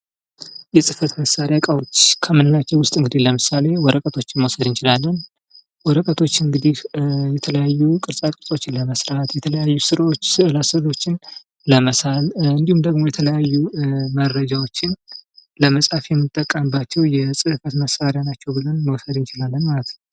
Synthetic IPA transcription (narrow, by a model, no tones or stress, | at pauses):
jɛsʼɨfət̪məsaɾjakʼawot͡ʃːkʰəmɨnɨnat͡ʃːɛwʊst̪ʼɨŋɡɨd̪iləmɨsale̞wɔɾəkʼət̪ʰo̞t͡ʃːɪnməwsəd̪ɨnt͡ʃɪlalːən | wɔɾəkʼət̪ʰo̞t͡ʃːɨŋɡɨd̪ihjɛt̪ʰələjajːukʼɨɾsʼakʼɨɾsʼo̞t͡ʃːɪnləməsɾat̪jɛt̪ʰələjajːusɨɾot͡ʃːɨlasɨlo̞t͡ʃːɪn | ləməsalɨnd̪ihumd̪əɡmo̞jɛt̪ʰələjajːuməɾːəd͡ʒawo̞t͡ʃːɪnləməsʼafjɛmːɨt̪ʼːəkʼːəmbat͡ʃːɛwjɛsʼɨfət̪məsaɾjanat͡ʃːɛwbɨlonməwsəd̪ɨnt͡ʃɪlalːənmalət̪now